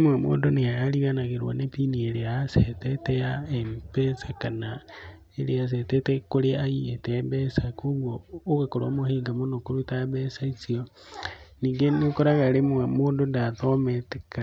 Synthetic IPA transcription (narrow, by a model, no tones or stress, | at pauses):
mwemo̰ːndoneajaliɣanaɣeɾwo̰nepinieɾeasetetejaempesakana | eɾeas̬etetekoɾeajietebesakuɣwoːkakoɾoːmohiːŋɡamonokuɾutaβesait͡sio | niːŋɡenokoɾaɣaɾemwemoːndondatomete̥ka